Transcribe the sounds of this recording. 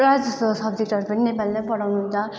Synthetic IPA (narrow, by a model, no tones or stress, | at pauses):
rad͡zʌssʌbd͡zek̚ʈʌɾupʌninepalimajpʌɽawnuɦunt͡sʰʌ